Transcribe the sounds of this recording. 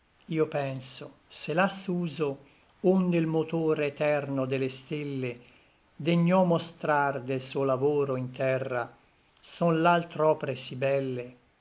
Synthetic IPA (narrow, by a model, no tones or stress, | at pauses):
iːopɛnsoselasuːzo | und̪eilmot̪oːɾet̪ɛrnod̪elest̪elːe | d̪eɲːɔmːost̪ɾard̪elsuolavoːɾoint̪ɛrːa | sɔnlalt̪ɾɔːpeɾesibɛlːe